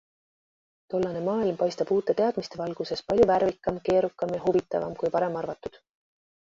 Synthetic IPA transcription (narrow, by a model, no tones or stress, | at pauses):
t̪o̞lːɑne̞mɑːilmpɑjst̪ɑb̥uːt̪ːˑe̞t̪e̞ɑd̪̥mist̪e̞vɑlɡ̥use̞spɑlʲjuværvikːˑɑmke̞ːɾukːˑɑmjɑɦuvit̪ːˑɑvɑ̰mkujpɑɾe̞mɑrvɑt̪ːˑud̪̥